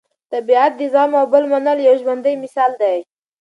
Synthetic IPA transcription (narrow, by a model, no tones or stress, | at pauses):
t̪abiat̪̚d̪izɑmawbəlmanəljawʒmand̪əjmɪsɑld̪aj